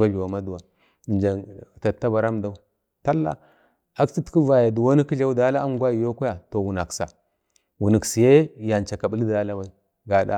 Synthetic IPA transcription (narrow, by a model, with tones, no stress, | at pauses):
va˦ɮu˨wa˨ma˦du˨wa˨ | nd͡ʒa˨ta˨tːa˦ba˨ɾa˦mda˦u˦ | ta˦lːa̰˦ | a˦kti˦ti˦va˨ja˨du˨wo˦ni˦ki˦a˦u˦da˦la˦a˦mɡʷa˦˨jo˦ku˦ja˨to˨wu˨na˨ksa̰˨ | wu˨ni˨ksi˨je˦ja˨nt͡ʃa˨ka˨bu˦li˦da˨˦la˦wa˨i˨ | ɡa˨da̰˦